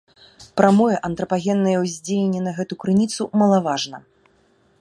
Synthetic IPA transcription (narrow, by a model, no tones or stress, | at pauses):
pɾʔamɔjɛʔɐnt̪ɾɐpaɣʲɛnːɐjɐwzʲd͡zʲejʲenʲːɛnɐɣɛt̪ukɾɨnʲit̪sumɐlˠavaʐnɐ